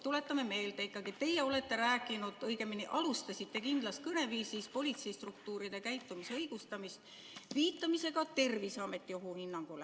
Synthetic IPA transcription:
t̪ule̞t̪ːˑɑme̞me̞ːjlt̪eikːˑɑɡ̥it̪ːe̞jeo̞le̞t̪ːe̞ɾæːkˑːinud̪̥ɤjɡemːiniʔɑlust̪ɑsit̪ːe̞kind̪̥lɑskɤne̞viːsispo̞lʲit̪se̞ist̪rukt̪uːɾid̪e̞kæjt̪ːumiseɤjɡ̥ust̪ɑmist̪ | viːt̪ːˑɑmise̞ɡɑt̪e̞rvisɑme̞t̪ːioɦuhinːɑŋɡ̥ulḛ

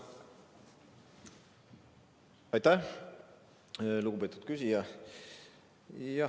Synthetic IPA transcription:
ɑjt̪æh | luɡube̞t̪ːˑut̪̚kysijɑ | jɑ

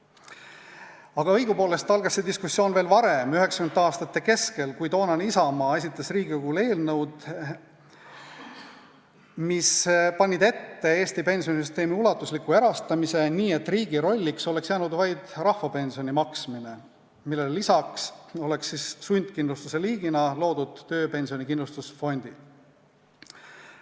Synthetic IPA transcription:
ɑɡ̥ɑɤjɡ̥upoːle̞st̪ɑlɡ̥ɑsːed̪iskusːjo̞ːnve̞ːlvɑɾe̞myɦeksɑ̥kymnːɑːst̪ɑt̪ːe̞ke̞ske̞lkujt̪o̞ːnɑnisɑmɑːe̞s̬ʲit̪ːˑɑsriːɡikuːle̞ːlnɤwd̪̥ | mispɑnʲːid̪e̞t̪ːe̞e̞ːsʲt̪ipe̞nsio̞nisyst̪e̞ːmiulɑt̪ːˑuslikːue̞ɾɑst̪ɑmise̞niːe̞t̪ːˑriːɡiɾo̞lʲːikso̞le̞ksjæːnud̪vɑjd̪̥rɑhvɑpe̞nʲsio̞nʲimɑksmine̞ | milːelːisɑkso̞le̞ksːisːunʲd̪̥kind̪lust̪use̞liːɡinɑlo̞ːd̪ud̪̥ːø̞ːpe̞nʲsio̞nʲikind̪lust̪usfo̞nʲd̪̥i

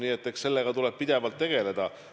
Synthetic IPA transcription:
niːet̪ːˑekse̞lːe̞ɡ̥ɑt̪ule̞b̥̚pid̪̥e̞vɑlt̪ːe̞ɡ̥e̞le̞d̪̥ɑ

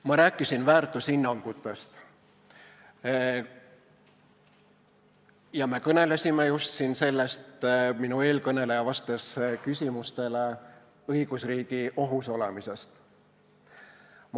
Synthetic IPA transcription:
mɑɾæːkːˑisinvæːrt̪ˑusinːɑŋɡ̥ut̪ːˑe̞st̪ | jɑme̞kɤne̞lesʲimejust̪sinse̞lːe̞st̪minue̞ːlkɤne̞le̞jɑvɑst̪eskysʲimust̪e̞le̞ | ɤjɡ̥usriːɡ̥iʔo̞ɦuso̞lemise̞st̪ | m

